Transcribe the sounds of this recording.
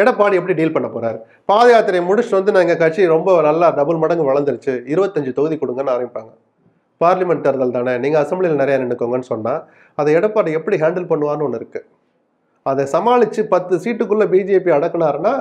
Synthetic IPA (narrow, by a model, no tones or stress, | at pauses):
ɛɽɐpːaːɽiɛpːɐɽiɖiːlpɐɳːɐpoːɾaːɾ | paːðɐjaːt̪ɪɾɐjmʊɽʊt͡ʃːʋɐnd̪ɯnɐːŋɡɐkɐʈ̚t͡ʃːiɾɔmbɐnɐlːaːɖɐbɯlmɐɽɐŋɡɯʋɐɭɐnd̪ɯɾɯt͡ʃːɯɪɾɯʋɐt̪ːɐɲd͡ʒɯt̪ɔɣɯðikɔɽɯŋɡɐnːɯaːɾɐ̃ɡɪpːaːŋɡɐ | paːɾlɐmɛɳʈːɐɾðɐlt̪aːnɛniːŋɡɐɐsɛmbɭɪjɪlɐnɪɾɐjanɛɳɯkːoːŋɡɐnːɯsɔnːaː | ɐðɛɛɽɐpːaːɽiɛpːɐɽiɦaːɳɖɪlpɐɳːɯʋaːnɯ̃ɔnːɪɾɯkːɯ | ɐðɛsɐmaːɭɪt͡ʃːɯpɐt̪ːɯsiːʈːɯkːɯɭːɐbid͡ʒieːpiɐɽɐkːɐnaːɾɯnaː